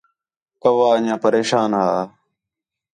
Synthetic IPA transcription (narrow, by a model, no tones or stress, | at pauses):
kəʋaːɲãːpəɾeːʃaːnɦaː